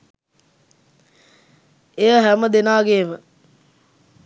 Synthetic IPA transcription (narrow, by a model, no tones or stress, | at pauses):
ejəɦæməd̪enaːɡeːmə